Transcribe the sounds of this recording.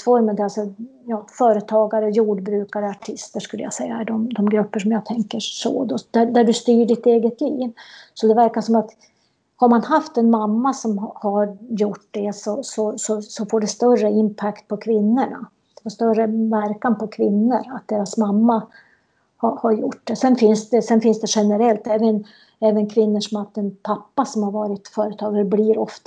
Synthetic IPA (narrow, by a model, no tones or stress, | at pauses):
fɔɾmənd̪ɛalsɔjɑːfœːɾət̪ʰɑːɡaɾəjuːɖbɾʉ̟ːkaɾəaʈʰɪst̪əʂkɵlːəja̰sɛjːahæɖɔmd̪ɔmɡɾɵpːəʂɔmjaːɡ̚t̪ʰɛŋkəʂo̰ːd̪ɔd̪̥æd̪æɖɵst̪yːɖɪt̪eːɡət̪liːvsɔd̪ɛvæɾkaʂɔmat̪ | haɾmanɦaft̪ɛnmamːasɔmhaɾjʊʈd̪ɛsɔsɔsɔsɔfoːɖɛst̪œrəɪnpʰakt̪̚pʰɔkʰvɪnːəɳa̰ | d̪̥ɛfaʂt̪œrəvæɾkanpʰɔkʰvɪnːəɾat̪̚d̪eːɾasmamːa | hahaɾjʊʈ̚d̪ɛsɛnfɪnsd̪ɛsɛnfɪnsd̪ɛɧɛnəɾɛlt̪ɛːvən | ɛːvənkʰvɪnːəʂɔmat̪ɛnpʰapːasɔmhaɾvɑːɾɪt̪fœːɾət̪ʰɑːɡɾɛbliɾɔft̪